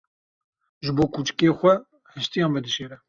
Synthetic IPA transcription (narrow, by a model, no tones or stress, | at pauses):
ʒɨboːkʰuːt͡ʃɨ̥keːxʷɛ | hɨʃt̪ijɑ̃ːnbɛd̪ɨʃeːɾɛ